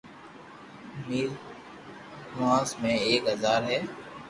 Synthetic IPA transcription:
miːl | mãːsmẽeːkɦəzaːɾɦɛː

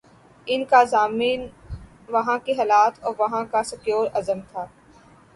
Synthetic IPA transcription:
ɪnkazaːmiːn | ʋɐɦãkeɦaːlaːt̪ʰɔːɾʋɐɦãkasɐkjoːɾɐzəmt̪ʰaː

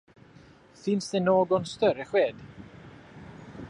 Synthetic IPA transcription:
θɪnsðenoːɡɔnst̪œɾɛχweːd̥

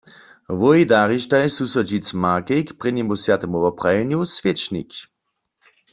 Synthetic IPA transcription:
ʋɔjdaʁiʃtajsusɔd͡ʒit͡smaːkekpʁɛnimusjat̪ɛmuvɔpʁajɛnjusvjet͡ʃnḭk

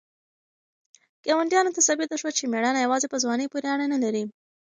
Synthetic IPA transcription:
ɡ̥awaɳʈjɑnot̪asabɪt̪aʃwat͡ʃemeɽanajawɑzepəzwɑnəpoɾeaɽanalaɾi

